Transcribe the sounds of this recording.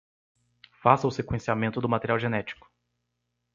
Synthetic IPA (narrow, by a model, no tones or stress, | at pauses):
fasɐʊsekwẽsiamẽnt̪ʊd̪ʊmat̪eɾiawʒenɛt͡ʃi̥kʊ̥